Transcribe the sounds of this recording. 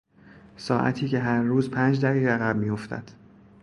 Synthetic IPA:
sɒːʔæ̰t̪ʰiːcʰe̞ɦæɾːuːzpʰæːnd͡ʒd̪æɣiːɣeæɣæb̚miːjoft̪ʰæ̰d̪̥

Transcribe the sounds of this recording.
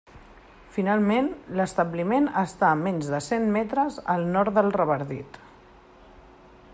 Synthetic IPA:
finalˠmenləst̪əblimenəst̪amɛnzðəsenmɛt̪ɾəzəlˠnɔɾt̪d̪əlˠrəβəɾðit̪

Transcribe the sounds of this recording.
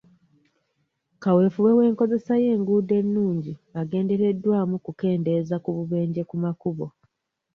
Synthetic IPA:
kawe̞ːfuwe̞we̞ːŋko̞ze̞saje̞ːŋɡuːde̞nːuːɲɟiaɡe̞ːnde̞ɾe̞dːwaːmukuke̞ːnde̞zakuβuβe̞ːɲɟe̞kumakuβo̞

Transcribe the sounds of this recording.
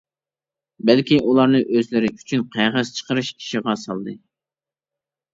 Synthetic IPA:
bælkʲiʔulˠɑɾnɨʔøzlɪɾɪy̥t͡ʃʰynqʰæjʁəz̥t͡ʃʰə̥qəɾɨʃʰi̥ʃiʁɑsɑlˠd̪ɨ

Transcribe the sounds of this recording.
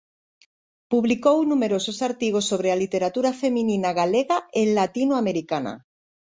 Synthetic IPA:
puβlikownume̞ɾo̞sosaɾt̪iɣ̞osːo̞β̞ɾealit̪e̞ɾat̪uɾafe̞mĩnĩnaɣaleɣaenlat̪inoame̞ɾikana̰

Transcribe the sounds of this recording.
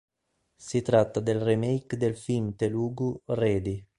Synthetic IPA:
sit̪ɾat̪ːad̪elremejkd̪elfimt̪eluːɡureːd̪i

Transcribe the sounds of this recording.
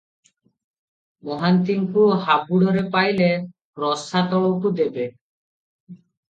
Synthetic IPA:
mɔɦant̪iŋkuɦabuɽɔɾepajle | ɾɔsat̪ɔɭɔwkud̪ebe

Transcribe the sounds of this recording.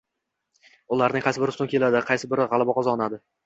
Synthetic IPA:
ʊlˠaɾnɪŋqʰɑjsɪbɪɾɪsʊŋkʲʰe̞lad̪ɪqʰɑjsɪbɪɾɪʁɑlˠabɒqʰɒzɒːnad̪ɪ

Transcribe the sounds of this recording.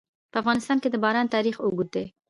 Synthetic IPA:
pəafɣɑnɪst̪ɑnked̪əbɑɾɑnt̪ɑɾixoɡuɾ̚d̪e

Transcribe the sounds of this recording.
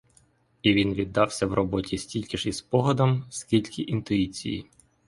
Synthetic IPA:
iʋʲinʋʲid̪ːɑwsʲɐwrʔɔbɔtʲʰisʲtʲilʲkʲɪʒispɔɦɔd̪ɐmsʲkʲilʲkɪʔint̪ʊit͡sʲḭjḭ

